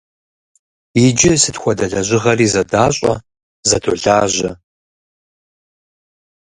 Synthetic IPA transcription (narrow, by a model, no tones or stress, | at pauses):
id͡ʒɪsɨtxʷɔdɐɮɐʑʷɪʁɐriːzɐdaːɕʼɐ̰ | zɐdʰo̰ɮaːʑʷɐ